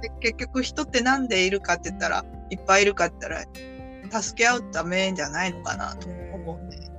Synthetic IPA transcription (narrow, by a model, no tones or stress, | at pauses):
eke̞kʲːo̞kɯ̟çi̥t̪o̞t̪ːe̞nãnd̪e̞iɾɯ̟kat̪ːeɯ̟t̪ːaɾa̰ | ipːaiɾɯ̟kat̪ːe̥t̪ːaɾa̰ | t̪asɨ̥ke̞aɯ̟t̪t̪ame̞d͡ʑanaino̞ka̰na̰t̪oomoe